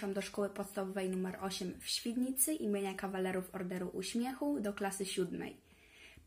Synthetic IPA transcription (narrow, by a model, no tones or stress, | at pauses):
amd̪ɔʂkɔwɘpɔt̪st̪avɔvɛjnumɛɾʔɔɕɛmfɕfʲid̪ʲɲit̪sɘʔimʲjeɲakavalɛɾufɔɾd̪ɛɾuʔṵɕmʲjɛxud̪ɔklasɘɕud̪mɛ̰j